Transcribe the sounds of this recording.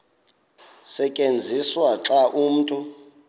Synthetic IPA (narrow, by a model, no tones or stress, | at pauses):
sɛkʼend͡zʱiswaǁaʔum̩ːtʼu